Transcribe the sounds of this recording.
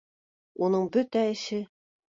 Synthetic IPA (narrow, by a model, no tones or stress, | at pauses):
unɤɴbɵt̪æɘ̆ʃɘ